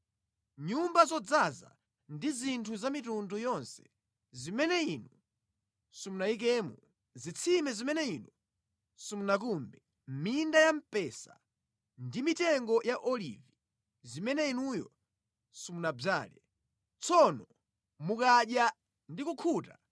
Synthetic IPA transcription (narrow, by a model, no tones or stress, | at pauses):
ɲumbazɔd͡zaza̰ | ndizintʰuzamitundujɔnsɛ̥ | zimɛnɛinu | sumunaik̬ɛːmu | zit͡sʰimɛzimɛnɛinu | sumunak̬umbɛ | m̩mindajam̩pɛsa̰ | ndimitɛŋɡɔjaʔɔlḭvi | zimɛnɛinujɔ̰ | sumunab͡ʐa̰ːlɛ | t͡sʰɔnɔ | mukaʄja | ndikukʰuta